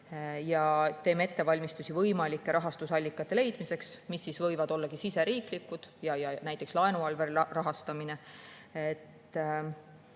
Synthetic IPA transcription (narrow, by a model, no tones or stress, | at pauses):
jɑt̪e̞ːme̞t̪ːe̞vɑlʲmist̪usʲivɤjmɑlʲikːe̞ɾʔɑɦɑst̪usɑlʲːikːˑɑt̪ːˑe̞le̞jd̪̥mise̞ksmisːisvɤjvɑd̪o̞lːɑɡisise̞ɾiːklikːˑud̪̥jɑjɑnæjt̪ːˑe̞kslɑe̞nuɑlve̞ɾirɑɦɑst̪ɑmine̞et̪ː